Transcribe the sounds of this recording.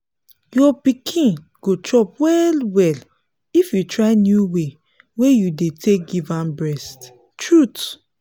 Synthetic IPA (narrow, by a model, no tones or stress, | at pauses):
jɔpikʰĩn | ɡ̥otɹɔp̚wɛlwɛl | ifjutɹaɪnjuwe | wejudetʰek̚ɡivãmbɹɛst | tɹut